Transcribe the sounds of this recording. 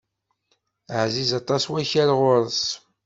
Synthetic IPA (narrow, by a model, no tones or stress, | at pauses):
əʕzizɑt̪ˤɑswæçæɾʁʊɾˤəs